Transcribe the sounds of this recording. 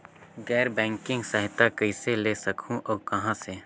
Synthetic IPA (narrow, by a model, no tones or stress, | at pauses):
ɡɛːɾbɛ̃ːŋkɪ̃ŋɡsəɦɪt̪akəɪseleːsɐkʰũʔɔːkɐɦãse